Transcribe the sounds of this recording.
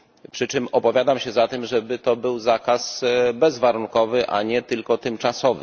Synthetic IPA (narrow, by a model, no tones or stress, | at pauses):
pʂɘt͡ʂɘmɔpɔvʲjad̪amɕɛzat̪ɛmʐɛbɘt̪ɔbɘwzakasbɛzvaɾuŋkɔvɘʔa̰ɲɛt̪ɘlkɔt̪ɘmt͡ʂasɔvɘ̰